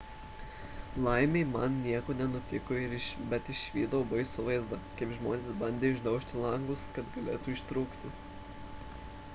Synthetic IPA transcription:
lˠɐɪmʲeɪmɐnnʲiɛkoːnʲɛnʊt̪ʲɪkoːɪɾɪʃbʲɛt̪ɪʃʋʲiːd̪oːbɐɪsʊʋɐɪzd̪ɐkɐɪpʒmoːnʲeːsbɐnʲd̪ʲeːʊʒd̪ɐʊʃʲt̪ʲɪlˠɐŋɡʊskɐt̪ɡɐlʲeːt̪uːɪʃt̪ɾuːkt̪ʲɪ

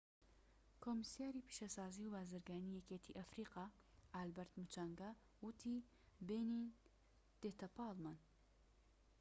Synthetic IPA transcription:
kʰomisijaːɾiːpʰi̥ʃɐsaːziwbaːzɨɾɡaːniːjɛket̪ʰiʔɐfɾiːqɑ | albɐɾt̪mut͡ʃaːŋɡa | wut̪ʰi | beni | d̪̥et̪ʰɐpaːlman

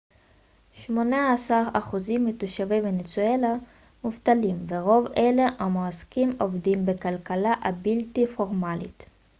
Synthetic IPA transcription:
ʃmonaːsaʁaχuzimːetuʃavivbenet͡suela | muftalimveʁo̞veleʔamoaskimovdimbekalkalaʔabiltifoʁmalḭt̪

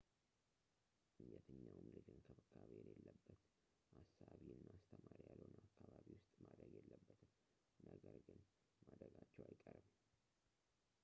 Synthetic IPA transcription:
ɨɲːɛt̪ʰɨɲːawʊmlɨd͡ʒɨnkʰəbəkʰːaβjɛlelːəbːət̪ | hasːaβiɨnːaːst̪ʰəmaɾjalːənaakʰːaβaβiwʊst̪ʼmad̪ɾəɡjɛlːəbːət̪n | nəɡəɾɡɨn | mad̪ɾəɡat͡ʃːɛwajkʼəɾɨm

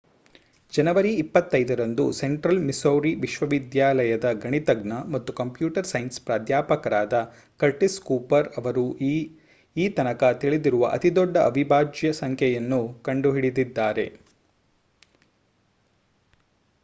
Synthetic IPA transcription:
d͡ʒɐnɐʋɐɾiːpːɐt̪ːɐjd̪ɐɾɐnd̪use̞ɳʈɾɐlmisowɾiʋiʃʋɐʋid̪jaːlɐjɐd̪ɐɡɐɳit̪ɐɡnɐmɐt̪ːukɐmpjuːʈɐɾsɐjnspɾaːd̪jaːpɐkɐɾaːd̪ɐ | kɐɾʈiskuːpɐɾɐʋɐɾu | iːt̪ɐnɐkɐt̪iɭid̪iɾuʋɐʔɐ̰t̪id̪ɔɖːɐɐbʱibʱaːd͡ʒjɐsɐŋkʰjɛjɐnːukɐɳɖuɦiɽid̪id̪ːaːɾe̞̰

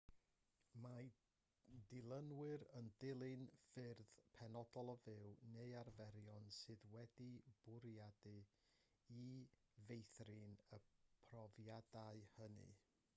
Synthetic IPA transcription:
ma | dɪlˠənwɪɾəndɪlˠɨnfɪrð̥pʰɛnɔdɔlˠɔvɪwnearvɛɾjɔnsɨðwɛdib̥ʊɾjadɨ | ivejθrɨnəpʰrɔvjadaɨhənɨ̰

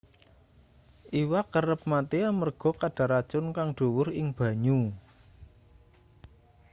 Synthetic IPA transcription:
ʔiwakərəp̚mat̪eamərɡ̥ɔ̤kaɖ̥ä̤ɾat͡ʃʊnkaŋɖ̥o̤wʊɾɪŋb̥a̤ɲu

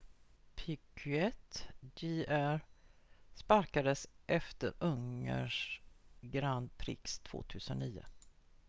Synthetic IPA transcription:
pʰɪkʰʏɛt̪d͡ʒiʔæɾ | spaɾkad̪əsʔɛft̪əɾɵŋə̰ʂ | ɡɾand̪̚pʰɾɪ̰kst̪ʰv̥o̰ːt̪ʰʉ̟ːsənːiːʊ̰

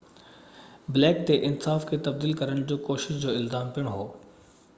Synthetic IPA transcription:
bɪlɛːkt̪eʔɪnsaːfkʰet̪ɐb̚d̪iːlkɐɾəɽ̃d͡ʑoːkoːʃɪʃd͡ʑoːɪlzaːmpiəɽ̃ɦoː

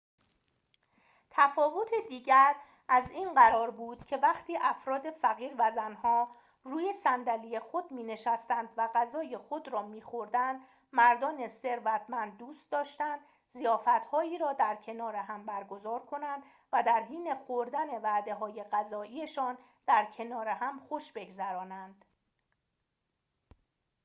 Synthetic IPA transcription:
t̪ʰæfɒːvo̞t̪ʰed̪iːɟæɾ | ʔæziːnɢæɾɒːɾbuːd̪̥cʰe̞væχt̪ʰiːʔæfɾɒːd̪e̞fæɣiːɾvæzænhɒː | ruːje̞sænd̪ælije̞xod̪̚miːne̞ʃæst̪ænd̪væɣæzɒːje̞xo̞d̪ɾɒːmiːxo̞ɾd̪ænd̪ | mæɾd̪ɒːne̞se̞ɾvæt̪ʰmænd̪̚ːuːst̪̚d̪ɒːʃt̪ænd̪̥ | zijɒːfæt̪hɒːiːɾɒːd̪æɾcʰe̞nɒːɾeɦæmbæɾɡozɒːɾkʰo̞nænd̪̥ | væd̪æɾɦiːne̞xoɾd̪æne̞væːd̪e̞ɦɒːje̞ɢæzɒːʔiːje̞ʃɒːn | d̪̥æɾcʰe̞nɒːɾehæmχoʃbe̞ɡzæɾɒːnænd̪̥

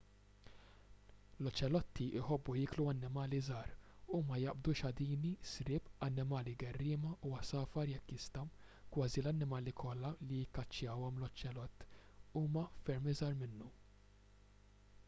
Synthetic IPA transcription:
lɔt͡ʃːɛlɔt̪ːiʔɪħɔbːujɪːkluɐnːɪmɐːlizɐːɾumɐjɐʔbd̪uʃɐd̪iːnisɾɪːpɐnːɪmɐːliɡɛrːɪːmɐʔuwɐsɐːfɐɾjɛkːɪst̪ɐ | kwɐːzilɐnːɪmɐːlikʰɔlːɐlijɪkːɐt͡ʃːjɐːwɔmlɔt͡ʃːɛlɔt̪ː | uːmɐfɛɾmizɐːɾmɪnːu

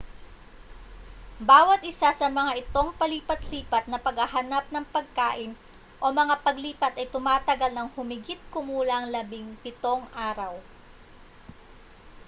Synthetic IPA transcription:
baːwɐt̪̚ʔɪsasɐmɐŋaʔɪt̪o̞ŋpɐliːpɐt̪liːpɐt̪̚nɐpɐɡhɐɦɐnap̚nɐŋpɐɡ̚ka̰ːʔɪn | ʔo̞mɐŋapɐɡliːpɐt̪ɐjt̪ʊmaːt̪ɐɡalnɐŋhʊmɪɡɪt̪̚kʊmuːlɐʔɐŋlɐbɪŋpɪt̪o̞ŋʔaːɾɐw

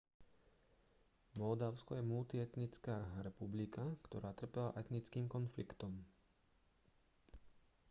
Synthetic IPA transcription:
mɔld̪aʊskɔjɛmult̪iɛt̪nit͡skaːɾɛpublikakt̪ɔɾaːt̪r̩pɛla̰ʔɛt̪nit͡skiːmkɔnflikt̪ɔm

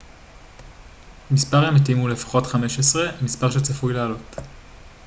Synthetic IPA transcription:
mispaʁemetimule̞fḁχo̞tχameʃesʁe̞mispaʁʃet͡safujlealo̞t

